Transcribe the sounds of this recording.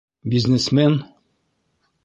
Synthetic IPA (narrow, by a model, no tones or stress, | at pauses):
bʲiznesmen